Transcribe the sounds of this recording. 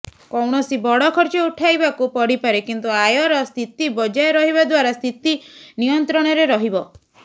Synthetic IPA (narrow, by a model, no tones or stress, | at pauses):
kɔwɳ̃ɔsibɔɽɔkʰɔɾt͡ʃɔuʈʰajbakupɔɽipaɾekint̪uajɔɾɔst̪ʰit̪ibɔd͡ʒajɔɾɔɦibad̪waɾast̪ʰit̪inijɔnt̪ɾɔɽ̃ɔɾeɾɔɦibɔ